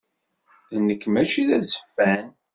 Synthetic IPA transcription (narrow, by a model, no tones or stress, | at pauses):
ðnəkːmæt͡ʃiðæzə̥fːæn